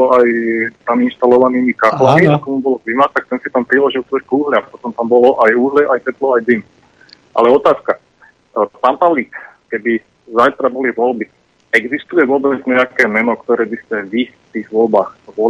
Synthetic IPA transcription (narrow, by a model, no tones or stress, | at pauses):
ɔajt̪aminʃt̪alɔʋaniːmikaxlamiakɔmubɔlɔklimat̪ak̚t̪ɛnsit̪ampɾilɔʒilˠt̪ɔɾkuːɦlɪaxpɔt̪ɔmt̪ambɔlɔʔajuːɦlɛʔajtɛt̪lɔajd̪im | ʔa̰lɛɔt̪aːska | p̪ampaʋliːk | kɛbi | zajt̪ɾabɔliʋɔlbi | ɛɡzist̪ujɛʋʊɔbd͡zɲɛakɛːmɛnɔkt̪ɔɾɛːbiscɛʋift̪iːɣʋɔlbaːxʋɔl